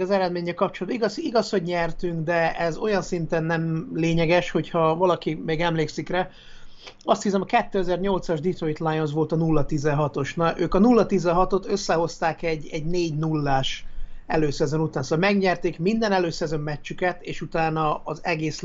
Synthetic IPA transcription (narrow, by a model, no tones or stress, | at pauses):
ɒzɛɾɛd̪meːɲːɛlkɒp̚t͡ʃolɒd̪biɡɒsiɡɒsho̞ɟɲɛrt̪yŋɡd̪ɛɛzo̞jɒnsint̪ɛnːɛmleːɲɛɡɛʃho̞chɒvɒlɒkimeːɡɛmleːksikrɛ | ɒst̪hisɛmɒkɛt̪ːøːɛzɛrɲo̞lt̪sɒʒd̪it̪roit̪lajonz̬ʋo̞lt̪ɒnulːɒt̪izɛɦɒt̪o̞ʃnɒʔøːkɒnulːɒt̪izɛɦɒt̪o̞t̪øsːɛɦo̞st̪aːkɛɟːɛɟneːɟnulːaːʃɛ̰løːsɛzo̞nut̪aːnsoɒlmɛɡɲɛrt̪eːkmind̪ɛnɛløːsɛzo̞mːɛt͡ʃt͡ʃːykɛt̪eːʃut̪aːnɒːzɛɡeːs